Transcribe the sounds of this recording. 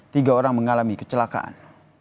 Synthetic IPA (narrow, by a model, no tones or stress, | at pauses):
t̪iɡaoɾaŋməŋalamikə̥t͡ʃəlaka̰ʔa̰n